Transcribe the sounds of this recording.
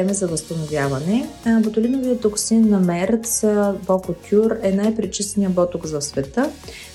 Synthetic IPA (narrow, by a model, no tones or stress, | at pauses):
ɛmɛzɐvəst̪ɐnovjavɐnɛbot̪ʊlinoviət̪oksinːɐmɛɾt̪sbɔkot̪ʰʲjuɾɛnajpɾit͡ʃisnijəbɔt̪ʊkzɐsvɛt̪ə